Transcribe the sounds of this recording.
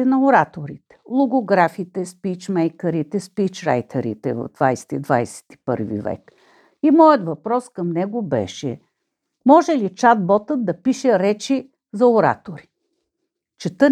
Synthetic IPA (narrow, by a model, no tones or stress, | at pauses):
ɛnɐoɾat̪oɾit̪ɛ̥lˠoɡoɡɾafit̪ɛspit͡ʃmɛjkəɾit̪ɛspit͡ʃɾa̰jt̪ʰəɾḭt̪ɛvɐ̰vd̪vajsɛ̥t̪id̪vajsɛ̥t̪i̥pɤ̰ɾvḭvɛ̰k | imɔjət̪vɐpɾɔskɐmnɛɡobɛ̰ʃɛ̰ | mɔʒɛlit͡ʃad̪̚bɔt̪ət̪̚d̪ɐpiʃɛɾɛt͡ʃi | zɐoɾa̰t̪oɾi | t͡ʃɛt̪ə